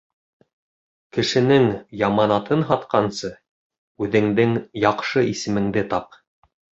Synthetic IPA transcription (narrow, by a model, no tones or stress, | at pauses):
kɘ̆ʃɘ̆nɘŋjɑmɑnɑt̪ʰɤnɦɑt̪qɑnsɤ | ʉðɘ̆ŋd̪ɘŋjɑqʃɤʔisɘ̆mɘ̆ŋd̪ɘt̪ɑp̚